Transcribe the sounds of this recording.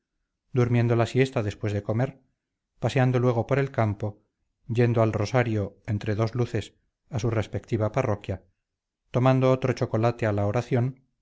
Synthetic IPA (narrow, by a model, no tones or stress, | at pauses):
d̪uɾmje̞nd̪olasje̞st̪aðe̞spwe̞zðe̞ko̞me̞ɾ | pase̞and̪o̞lweɣ̞o̞po̞ɾe̞lkampo̞ | ɟ͡ʝe̞nd̪oalro̞saɾjo̞e̞nt̪ɾe̞ðo̞zluθe̞s | asure̞spe̞k̚t̪iβaparo̞kja | t̪o̞mãnd̪oot̪ɾot͡ʃo̞ko̞lat̪ealaoɾaθjo̞n